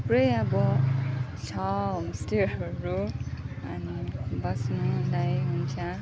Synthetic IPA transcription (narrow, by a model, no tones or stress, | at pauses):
prʌjʌbʌ | sʰʌmʌsteɾɦʌɾu | ʌnibʌsnʌlajɦunt͡sʰʌ